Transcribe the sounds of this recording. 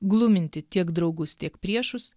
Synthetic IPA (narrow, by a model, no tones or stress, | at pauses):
ɡlˠʊmʲɪnʲt̪ʲɪt̪ʲiɛkd̪ɾɒʊɡʊst̪ʲiɛkpʲɾʲiɛʃʊs